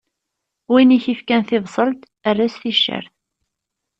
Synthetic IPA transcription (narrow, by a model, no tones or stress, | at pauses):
winiçifkænθɪvsˤəlt̪ | ərːæsθiʃːə̰ɾθ